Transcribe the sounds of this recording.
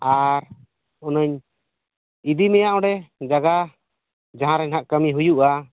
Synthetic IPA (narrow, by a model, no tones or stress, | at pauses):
aɾ | ɔnəɲ | id̪imɛjaʔɔɖɛd͡ʒaɡa | d͡ʒaɦãɾɛnɦaʔkəmiɦujuʔa